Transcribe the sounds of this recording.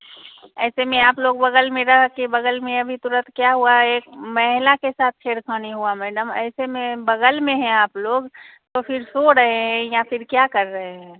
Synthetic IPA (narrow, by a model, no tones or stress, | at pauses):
ɛɪsemeaːploɡbəɡəlmeɾəɦəkːebəɡəlmeəbʱit̪uɾət̪ʰkjaɦuaekməɦilakesat̪̚ʰkʰeɽkʰəniɦuamɛɖəmə̰ɪsemebəɡəlmeɦɛ̃aːploɡt̪opʰiɾsoɾəɦeɦɦɛ̃japʰiɾkjakəɾːəɦeɦɛɛ̃